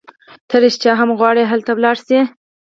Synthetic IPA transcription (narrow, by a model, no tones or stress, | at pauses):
t̪ʰəɾeʃt͡ʃɑɦamɣwɑɽeɦalt̪awlɑɽsi